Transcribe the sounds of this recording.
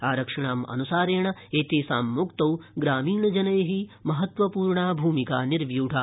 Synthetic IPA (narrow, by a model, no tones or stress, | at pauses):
aːɾɐkʂɐɳaːmɐ̰nusaːɾeːɳɐeːt̪eːsaːmːukt̪ɐwɡɾaːmiːɳɐd͡ʒɐnɐjɐɦimɐɦɐt̪ʋɐpuːɾɳaːbʱuːmikaːniɾʋjuːɖʱaː